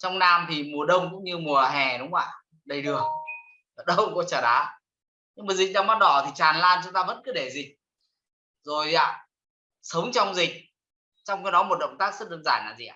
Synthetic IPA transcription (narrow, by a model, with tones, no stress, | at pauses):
t͡ɕɔ˧wŋ͡mnaː˧mt̪ʰi˨˩mu˨˩əɗə˧wŋ͡mkʊ̰˧˥ŋ͡mɲɨ˧mu˨˩əɦɛ˨˩ɗʊ˨˦wŋ͡mʔaː˧˩ | ɗə˧jɗɨ˨˩ək̚ː | ɗə˧wkʊ̰˧˥ŋ͡mkɔ˧˨˦t͡ɕəː˧˩ɗaː˨˦ | ɲɨ˧ŋmaː˨˩zï˨˩k̟̚ɗaː˧maː˦˥t̚ɗɔ˧˩t̪ʰi˨˩t͡ɕaː˨˩nlaː˧nt͡ɕʊ˨˦ŋ͡mt̪aː˧və̰˧˥nkɨ˨˦ɗe˧˩zï˨˩k̚ | zo˨˩jʔa̰ː˧˩ | sə˨˦wŋ͡mt͡ɕɔ˧wŋ͡mzï˨˩k̟̚ | t͡ɕɔ˧wŋ͡mki˧˦nɔ˨˦mo˨˩t̚ɗə̰˧˨wŋ͡mt̪aː˦˥k̚zə˦˥t̚ɗəː˧nzaː˧˩nːa̰ː˨˩zḭ˨˩ʔa˧˨